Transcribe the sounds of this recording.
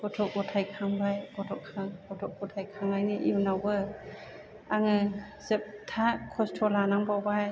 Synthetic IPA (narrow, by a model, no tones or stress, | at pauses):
b̥ɔtʰɔk̚bɔtʰajkʰaŋbajbɔtʰɔkʰːaŋbɔtʰɔk̚bɔtʰajkʰaŋbajnɯʔiwnawbɯ | aŋɯ | z̥ɯp̚tʰakʰɔstʰɔlanaŋbawbaj